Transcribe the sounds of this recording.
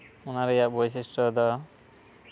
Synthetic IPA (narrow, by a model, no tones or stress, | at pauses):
unaɾejaʔbɔjs̬isʈɔd̪ɔ